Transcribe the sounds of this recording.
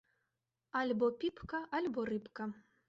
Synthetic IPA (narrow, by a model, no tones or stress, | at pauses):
alʲbɔpʲipkɐʔalʲbɔrɨpkɐ